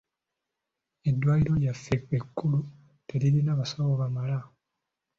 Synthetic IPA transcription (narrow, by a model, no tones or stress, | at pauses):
e̞dːwaːjiɾo̞ljafːekekːulu | tʰe̞ɾiɾinaːβasaβoβamala